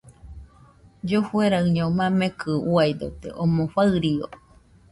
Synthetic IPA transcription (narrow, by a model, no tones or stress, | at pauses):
d͡ʒofueɾaɨɲomamekɨuajd̪o̰t̪ḛʔomofaɨɾio̰